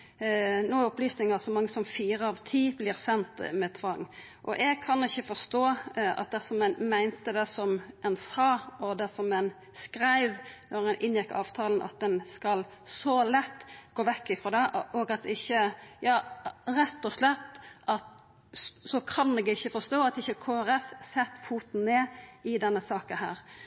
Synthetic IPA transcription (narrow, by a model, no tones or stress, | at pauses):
noːɔplyːsnɪŋɑsɔmɑŋːəsɔmfiːɾəɑʋt̪ʰiːblɪːɾsɛnt̪mɛt̪ʰʋɑŋː | ʔɔ̰ʔɛɡ̚kʰɑnɪçːəfɔst̪oːɑ̰t̪̚d̪ɛsɔmɛnmæɪnt̪əd̪ɛsɔmʔɛnsɑːɔd̪ɛsɔmɛn | skɾæɪʋnɔɾɛnʔɪnjɪkːɑ̰ːʋt̪ʰɑːlənʔɑ̰t̪̚d̪ɛnskɑl | sɔlɛt̪ːɡ̥oːʋɛkːɪfɾɔːd̪ɛɔɡɑt̪ɪçːəjɑːɾɛt̪ːɔslɛt̪ːʔɑt̪ | sɔkʰɑnɛɡɪçːəfɔst̪oːɑt̪ɪçːəkʰoːæɾɛfsɛt̪ːfuːt̪n̩neːɪd̪ɛnːəsɑːkəɦæ̰ːɾ